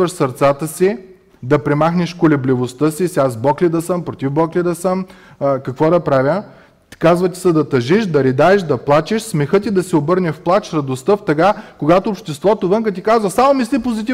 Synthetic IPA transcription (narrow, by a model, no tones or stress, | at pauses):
əʃsɐɾt̪sat̪əsi | d̪ɐpɾɛmaxnɛʃkolɛblivost̪əsisʲazbɔklʲid̪ɐsəmpɾot̪ʲivbɔklid̪ɐsəmː | kɐkvɔd̪ɐpɾavʲjə | kazvət̪i̥sɐd̪ɐt̪ɐʒiʃd̪ɐɾid̪aɛʃd̪ɐplˠat͡ʃiʃsmɛxɤt̪id̪ɐsiobɤɾnʲɛfplˠat͡ʃɾɐd̪ost̪əft̪ɐkakoɡat̪oːpʃt̪ɛst̪vɔt̪ovɤŋkət̪ikazvɐsamomislʲipozit̪i